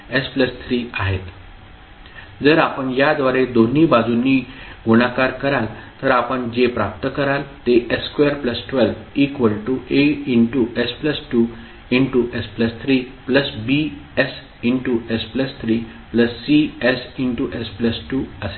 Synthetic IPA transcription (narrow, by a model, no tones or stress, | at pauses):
espləst̪ʰɾiaɦet̪ | d͡zəɾapəɳjad̪ʋaɾed̪on̤iːbad͡zuniɡuɽ̃akaɾkəɾalt̪əɾapəɳd͡ʑepɾap̚t̪əkəɾalt̪eʔeskeəɾpləsʈʋɛlʋikʋəlʈuʔeiɳʈuʔespləsʈu | iɳʈuʔespləst̪ʰɾipləsbies | iɳʈuʔespləst̪ʰɾiː | pləsːiesiɳʈuʔespləsʈuːəse̥